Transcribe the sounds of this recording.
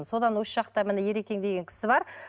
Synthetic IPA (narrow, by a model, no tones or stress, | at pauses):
so̞d̪ɑnwosə̥ʃɑq̚t̪ɑmɪnɪje̞ɾe̞kʲe̞ŋd̪e̞ɡʲe̞ŋkʲʰɪ̥sɪbɑɾ